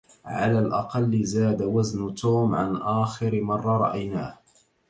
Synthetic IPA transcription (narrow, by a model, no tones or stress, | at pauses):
ʕa̰laːlʔɑqɑlːɪzaːd̪awaznʊt̪uːmʕa̰nʔaːxɪɾɪmɑrˤːɑɾˤɑ̰ʔajnaːh